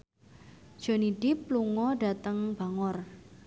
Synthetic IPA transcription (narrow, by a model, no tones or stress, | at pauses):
d̥ʒ̥o̤niɖ̥ipluŋɔɖa̤t̪əŋb̥a̤ŋɔr